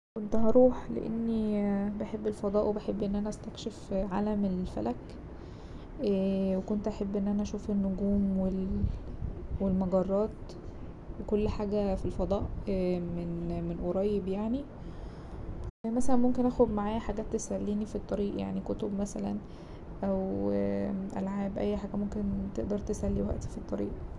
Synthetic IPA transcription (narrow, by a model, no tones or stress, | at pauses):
kont̪ɦɑɾˤuːħlḛʔḛnːibeħebːelfɑd̪ˤɑːʔwebeħebːʔenːʔænæʔæst̪ækʃefʕa̰ːlæmelfæ̰læk | wekont̪ʔæħebːʔenːʔænæʔæʃuːfenːoɡuːmwel | welmɑɡɑrˤːɑːt̪ | wekolːħaːɡæfilfɑd̪ˤɑːʔmenmenʔoɾˤɑjːebjaʕni | mæsælænmomkenʔæxod̪maʕaːjæħaɡæːt̪ːesælːiːnifit̪ˤːɑɾiːʔja̰ʕnikot̪obmæsælæ̰n | ʔæw | ʔæ̰lʕaːbʔæ̰jːħaːɡæmomkent̪eʔd̪ɑɾˤt̪esælːiwæ̰ʔt̪i̥fit̪ˤːɑɾḭːʔ